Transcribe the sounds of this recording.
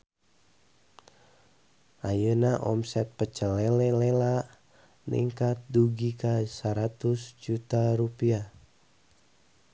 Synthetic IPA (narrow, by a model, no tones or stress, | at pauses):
ʔajənaʔɔ̰msɛt̪̚pət͡ʃəlɛlɛlelaʔ | nḭŋkat̪̚duɡikasəɾat̪usd͡ʒut̪aɾupia